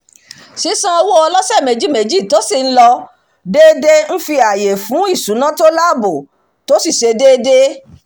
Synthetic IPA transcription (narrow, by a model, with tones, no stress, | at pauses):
si˨˦sã˦ɔ˧wo˦ɔ˧lɔ˦sɛ˦˨mẽ˨d͡ʒi˨˦mẽ˨d͡ʒi˦˨to˨˦si˦˨n̩˦lɔ˧ | deː˦de˦n̩˦fi˧a˨je˨fũ˨˦i˦˨sũ˨˦nã˦to˦la˦˨bo˨ | to˨˦si˦˨ʃe˧deː˦de˦